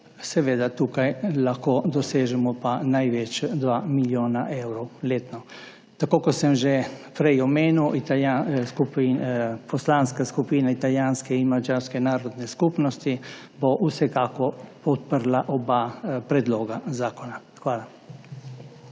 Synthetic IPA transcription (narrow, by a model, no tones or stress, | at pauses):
sɛʋeːd̪at̪uːkajlaxkoːd̪ɔseːʒɛmɔpanajʋɛt͡ʃd̪ʋaːmiljoːnaʔɛwɾɔwleːt̪nɔ | t̪akoːkɔsɛmʒɛpɾɛjɔmeːnuwit̪aaskupipɔslaːnskaskupiːnait̪aljaːnskɛinmad͡ʒaːɾskɛnaːɾɔd̪nɛskupnɔst̪i | boʔusɛkaːkɔpɔt̪̚pəɾlaʔɔbapɾɛd̪loːɡazaːkɔna | xʋaːla